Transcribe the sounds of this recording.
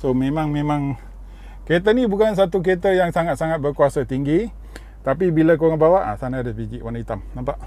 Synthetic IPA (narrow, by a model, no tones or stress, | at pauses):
somemaŋmemaŋ | ket̪̬ənibukans̬at̪̬uk̬et̪̬əjaŋsaŋat̪̚saŋat̪̚bərkuasət̪iŋɡi | t̪apibiləkoabawaʔsanadəsbid͡ʒiʔwanit̪amt̪ampaʔ